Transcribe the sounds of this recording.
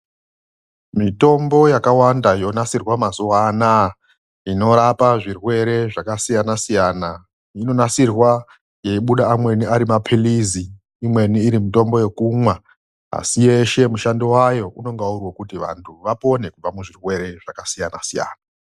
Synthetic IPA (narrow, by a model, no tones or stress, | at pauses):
mito̞mbo̞jakawandajo̞nasirwamazuwaːna | ino̞ɾapaʐirwe̞ɾe̞ʐakasijanasijaːna | ino̞nasirwa | je̞iɓuɗaːmwe̞niʔaɾimapʰiliziː | mwe̞niːɾimito̞mbo̞je̞kumwa | a̰sije̞ʃe̞muʃandiwajo̞ʔuno̞ŋɡaurwokutiʋa̰ntʰuʋapo̞ne̞kub͡vamuʐirwe̞ɾe̞ʐ̥akasijana̰sija̰ːna